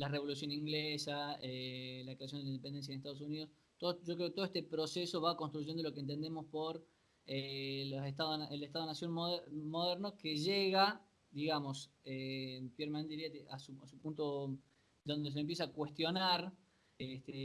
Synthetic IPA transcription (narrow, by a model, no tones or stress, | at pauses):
lareβo̞lus̬jo̞niŋɡlesaelakɾeas̬jond̪elinpe̞nd̪ensjaðest̪aðo̞sunið̞o̞s | t̪oʒokɾeket̪oet̪epɾo̞seso̞βako̞nst̪ɾuʒe̞nd̪olo̞kent̪̬e̞nd̪emo̞spo̞ɾ | eloset̪aðonʔelet̪aðo̞nasjo̞nomoðeɾno̞keʒeɣa | d̪iɣamo̞s | epjeɾmanẽneiɾiat̪eʔasuasupunt̪o | d̪o̞nd̪esemp̬jesakwe̞st̪jo̞naɾ | et̪e